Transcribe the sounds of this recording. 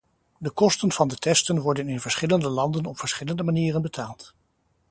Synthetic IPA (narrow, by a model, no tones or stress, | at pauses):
dəkɔstənv̥ɑndətɛstənʋɔɹdənɪnvəɹsχɪləndəlɑndənɔpfəɹsχɪləndəmaniːrənbətʰaːlˠt